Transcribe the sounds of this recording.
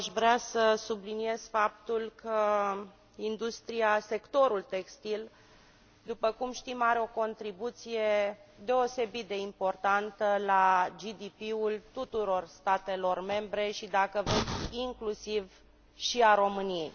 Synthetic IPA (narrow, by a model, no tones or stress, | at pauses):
aʃvɾeasəsublinie̞z̥fap̚t̪ulkʰə | ind̪ust̪ɾiase̞kt̪o̞ɾult̪e̞kst̪il | d̪upəkumʃt̪imaɾeo̞ko̞nt̪ɾibut̪sije̞d̪e̞o̞se̞bit̪̚d̪e̞impo̞rt̪ant̪əlad͡ʒid̪ipiult̪ut̪uɾo̞rst̪at̪e̞lo̞rme̞mbɾe̞ʃid̪akəvesʲiŋklusiv | ʃiaɾo̞mɨnijḛj